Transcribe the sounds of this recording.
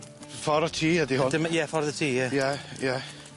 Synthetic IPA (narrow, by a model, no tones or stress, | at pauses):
fɔɾətʰiːədihʊndɪmjɛfɔrðətʰiːjɛjɛjɛ